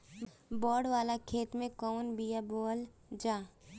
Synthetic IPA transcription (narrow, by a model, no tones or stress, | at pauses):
bɔːɖʋaːlakʰeːt̪mẽkɔːnbijaboːl | d͡ʒaː